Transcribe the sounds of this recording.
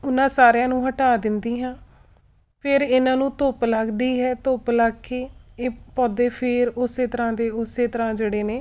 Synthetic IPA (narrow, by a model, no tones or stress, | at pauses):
ʊnãːsaːɾjãːnũːɦəʈaːd̪ɪnd̪iːɦãː | pʰɪɾɪnãːnũːt̪oːpləɡd̪iːɦɛːt̪oːplaɡkeːeːpɔːd̪eːpʰɪɾʊseːt̪əɾãːd̪eːʊseːt̪əɾãːd͡ʒeːɽeːneː